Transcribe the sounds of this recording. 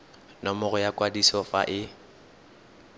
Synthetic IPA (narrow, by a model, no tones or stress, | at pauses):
nɔmʊɣʊjakʼwadisɔfa̰ʔɪ